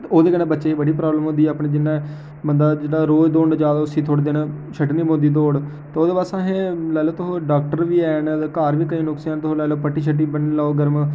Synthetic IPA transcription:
oːd̪eːɡənẽːbətːʃeːibəɽiːpɾaːbləmɦʊ̃nd̪iːɛːpneːd͡ʒɪnːãː | bənd̪aːd͡ʒeːɽaːɾoːd͡ʒd̪oːɳd͡ʒaːd̪aːʊsĩːt̪ʰoɽd̪eːnt͡ʃʰəʈnĩːmnd̪iːd̪̬oːɽ | t̪eːoːd̪eːpaːsãːɦẽːlɛːloːt̪ʊɦoːɖaːk̚ʈəɾʋiːɛːnkaːɾʋiːkəĩːnʊksɛːnt̪ʊɦoːlɛːloːpəʈːiːt͡ʃʰəʈːiːbənlaːoːɡəɾm

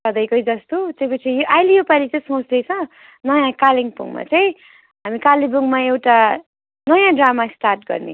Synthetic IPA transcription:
ʌd̪ʌjkojd͡zʌst̪ot͡sʌjpʌt͡sʰijoʔajlejopalit͡sʌĩsõt͡sd̪et͡sʰʌ̃ | nʌjãkaliŋpṵŋma̰t͡sʌj̃ | ɦamikalibuŋmaewʈa | nʌjãɖramasʈarʈ̚ɡʌ̰rnḛ

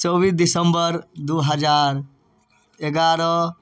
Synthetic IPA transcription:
t͡ʃɔbiːsd̪isəmbəɾd̪uɦəd͡ʒaːɾ | eɡaːɾɔ

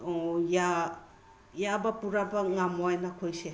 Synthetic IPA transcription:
ja | jabɐpuɾabɐŋamojnakʰojse

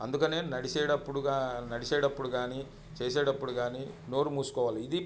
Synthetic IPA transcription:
ɐnd̪ukɐne̞ːnɐɽiseːɽɐpːuɽuɡaːnɐɽiseːɽɐpːuɽuɡaːni | t͡ʃeːseːɽɐpːuɽuɡaːnino̞ːɾumuːsu̥kɔːʋaːliːd̪i

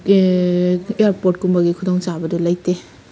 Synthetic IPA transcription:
ejaɾpoɾt̚kumbɐɡikʰudɔŋt͡ʃabɐdulɐjte

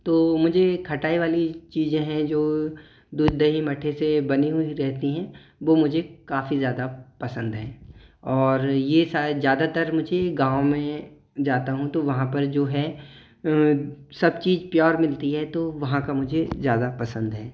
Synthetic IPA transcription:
t̪oːmʊd͡ʒʱekʰɐʈaːiʋaːlit͡ʃiːzẽɦɛ̃d͡ʒoː | d̪uːd͡ʒd̪ɐɦimɐʈʰesebɐniɦʊiɾɛɦt̪iɦɛ̃ | ʋoːmʊd͡ʒʱekaːfizjaːd̪apɐsə̃nd̪ɦɛːɔːɾjesaːzjaːd̪at̪əɾmʊd͡ʒʱeɡãːõmẽ | d͡ʒaːt̪aɦũt̪oʋɐɦãpɐɾd͡ʒoːɦɛː | sɐbt͡ʃiːzpjɔːɾmɪlt̪iɦɛt̪oʋɐɦãkamʊd͡ʒʱezjaːd̪apɐsə̃nd̪ɦɛː

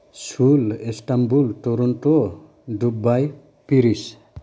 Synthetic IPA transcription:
sulestambultɔɾɔntɔ | dubaj | piɾis

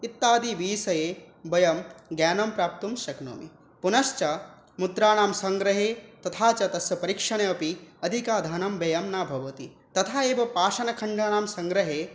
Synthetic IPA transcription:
it̪ːaːd̪iʋiːsɐjeːbɐjɐmɡjaːnɐmpɾaːp̚t̪umʃɐkno̰ːmḭ | punɐʃt͡ʃɐ | mud̪ɾaːnaːmsɐŋɡɾɐɦeːt̪ɐt̪ʰaːt͡ʃɐt̪ɐsɐpɐɾikʂɐɳeɐpiɐd̪ʱikaːd̪ʱaːnɐmbɐjɐmnaːbʱɐʋɐt̪i | t̪ɐt̪ʰaːeːʋɐpaːʃɐnɐkʰɐɳɖʱaːnaːmsɐŋɡɾɐɦeː

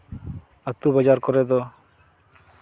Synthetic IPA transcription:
at̪ːubad͡ʒaɾkɔɾed̪ɔ

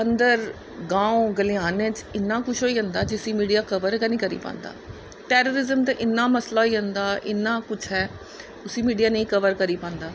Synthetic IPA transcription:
ənd̪əɾ | ɡãːõɡəlijaːnẽːt͡ʃɪnːãːkʊt͡ʃʰɦoːiːə̃ːnd̪aːd͡ʒɪsiːmiːɖijaːkəʋəɾkənĩːkəɾḭːpã̰ːnd̪a̰ː | ʈɛːɾoːɾɪzəmt̪ẽʔɪnːaːməslaːiːə̃nd̪aːʔɪ̰nːãːkʊt͡ʃʰɦɛː | ʊsiːmiːɖijaːnĩːkəʋəɾkəɾiːpãːnd̪aː

